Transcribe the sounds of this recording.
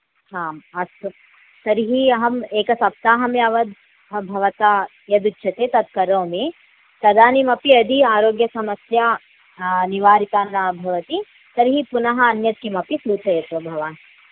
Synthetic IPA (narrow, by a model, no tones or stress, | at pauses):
ɦaːmɐsɐ | t̪ɐɾɦiɦɐmeːkɐsɐp̚t̪aːɦɐmeɐʋɐd̪̚ | bʱɐʋɐt̪aː | jɐd̪utːʃʰɐt̪eːt̪ɐd̪̚kɐɾõːmẽ | t̪ɐd̪aːnimɐpiɐd̪ʱiaːɾoːɡjɐsɐmɐsjaː | niʋaːɾit̪aːnːɐbʱɐʋɐt̪i | t̪ɐɾɦipunɐɦɐɐnjɐt̪̚kimɐpisɾuːt̪ʰɐjɐt̪ʋɐbʱɐʋaːn